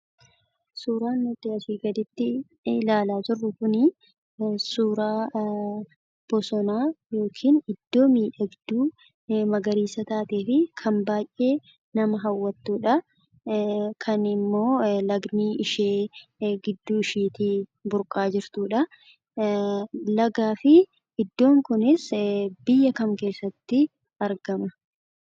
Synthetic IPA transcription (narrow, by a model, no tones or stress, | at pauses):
suːɾaːnːʊt̪ɪɐsiːɡɐd̪ɪt̪ːɪ | laːlaːt̪ʊrːʊkʊnɪ | suːɾaː | b̥ɔsɔnaːjo̞ːkʰiːnɪd̪ːo̞ːmiːᶑɐɡɪd̪ːuː | mɐɡɐɾiːsɐt̪aːt̪e̞ːfɪkʰɐmbaːjʔe̞ː | nɐmɐɦɐwːɐt̪ːuːᶑɐ | kʰɐnɪmːo̞ːlɐɡniːɪʃeːɡɪd̪ːuːɪʃiːt̪ibʊɾkʼaːd͡ʒɪɾt̪uːᶑɐ | lɐɡaːfɪ | ʔɪd̪ːo̞ːŋkʊnɪsbɪjːɐkɐmke̞ːsːɐt̪ːɪ | ɐɾɡɐmɐ